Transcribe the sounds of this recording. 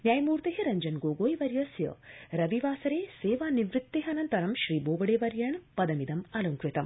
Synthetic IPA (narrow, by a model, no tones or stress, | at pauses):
njaːjɐmuːɾt̪eɦɐɾɐɲd͡ʒɐnɡoːɡoːjʋɐɾjɐsjɐ̰ɾɐʋiʋaːsɐɾeːseːʋaːniʋɾɨt̪ːeɦɐnɐnt̪ɐɾɐmʃɾiːboːbɐɽeːʋɐɾjɐɳpɐd̪ɐmid̪ɐmɐluŋkɾit̪ɐm